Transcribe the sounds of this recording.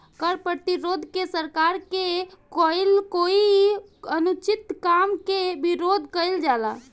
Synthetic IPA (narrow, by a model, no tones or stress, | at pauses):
kəɾpɾət̪iɾod̪ʱkesəɾkaɾkekəjlkoiənut͡ʃit̪kamkebiɾod̪ʱkəjld͡ʒala